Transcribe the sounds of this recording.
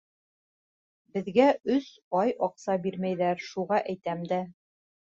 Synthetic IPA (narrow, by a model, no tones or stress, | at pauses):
bɘ̆ðɡæɵs | ɑjɒqsɑbiɾmæjðæɾʃuʁɑʔæjt̪æmd̪æ